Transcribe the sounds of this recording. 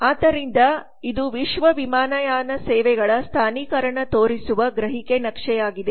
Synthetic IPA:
aːd̪ɐɾind̪ɐ | id̪uʋiʃʋɐʋimaːnɐjaːnɐsɛːʋɛɡɐɭɐst̪ʰaːniːkɐɾɐɳɐt̪oːɾisuʋɐɡɾɐɦikenɐkʂɛjaːɡid̪e

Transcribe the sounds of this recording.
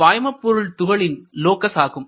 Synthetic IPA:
aːjmɐpːɔɾɯɭt̪ʊɣɐɭɪnloːkɐsaːɣɯm

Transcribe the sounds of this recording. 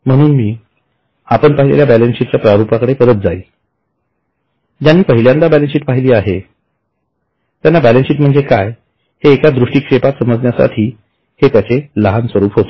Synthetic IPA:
m̤əɽ̃uːnmiː | apəɳpaɦilḛljabælensiʈt͡ɕjapɾaɾupakəɽepəɾət̪̚d͡zaiː | d͡ʑjanːiːpəɦiljand̪abælensiːʈ̚paɦiliːaɦe | t̪janːabælensiːʈm̤əɳd͡zekaj | heːkad̪ɾuʂʈiːkʂepat̪səməd͡znjasa̰ʈʰiː | het̪jat͡seləɦansʋəɾuːpɦot̪o̥

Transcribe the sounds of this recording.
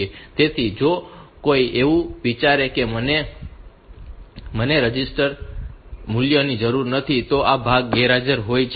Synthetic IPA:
et̪et̪ʰid͡ʒokoiʔeʋũʋit͡ʃaɾekeməne | məneɾəd͡ʒisʈəɾ | muljənid͡ʒəɾuɾnət̪ʰit̪oʔabʱaɡ̚ːɛɾad͡ʒəɾɦojt͡ʃʰ

